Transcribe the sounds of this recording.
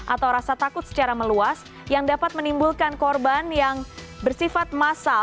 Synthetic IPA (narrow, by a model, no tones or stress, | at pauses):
ʔat̪awɾasat̪akʊt̪̚sə̥t͡ʃaɾaməluas | jaŋdapat̪̚mənimbulkankɔrbanjaŋ | bərsifat̪̚masa